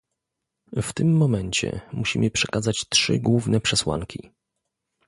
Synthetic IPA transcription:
ft̪ɘmːɔmɛɲt͡ɕɛ̰muɕimɘpʂɛ̥kazat͡ɕtʂɘ̰ɡwuvnɛpʂɛswa̰ŋkʲi

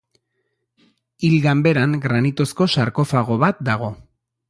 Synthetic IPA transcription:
ilɡambe̞ɾaŋɡɾanit̪o̞sko̞saɾko̞faɣ̞o̞βat̪̚d̪aɣ̞o̞

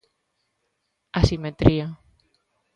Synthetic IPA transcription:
asimet̪ɾia

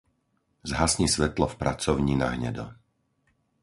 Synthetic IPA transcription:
zɦasɲisʋɛt̪lɔfpɾat͡sɔʊɲiːna̰ɦɲɛ̰d̪ɔ̰

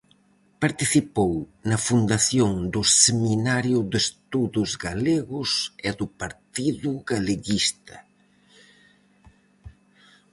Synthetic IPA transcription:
paɾt̪iθipownɐfund̪aθjoŋd̪ʊsseminaɾjʊd̪est̪uðʊzɡaleɣʊsɪðʊpaɾt̪iðʊɣaleɣist̪ɐ

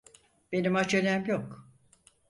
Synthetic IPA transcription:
b̥e̞nimat͡ʃʰelʲæmjok

